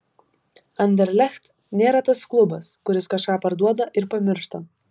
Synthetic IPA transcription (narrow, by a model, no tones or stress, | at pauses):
ɐnʲd̪ʲɛɾʲlʲɛxt̪ | nʲeːɾɐt̪ɐsklˠʊbɐskʊɾʲɪskɐʃkɑːpɐɾd̪uɔd̪ɐʔɪɾpɐmʲɪɾʃt̪ɐ